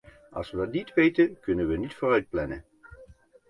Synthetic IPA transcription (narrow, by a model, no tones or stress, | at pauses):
ʔɑ̰lˠsʋədɑtnitʋejtənkɵnənʋənitfʊːrœɥt̚plɛnə̰